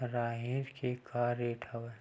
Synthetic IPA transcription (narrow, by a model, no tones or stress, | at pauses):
ɾaːɦiɾkʰekʰaːɾeːʈʰawə